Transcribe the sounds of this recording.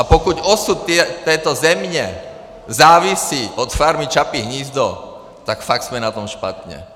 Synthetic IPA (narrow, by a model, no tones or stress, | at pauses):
apɔkuɟɔsut̪ːɪɛt̪ːɛjt̪ɔzɛmɲɛ | zaːʋisiʔɔt̪faɾmit͡ʃapiɦɲiːzd̪ɔ | t̪akfakz̥mɛnat̪ɔmʃpa̰t̪ɲɛ̰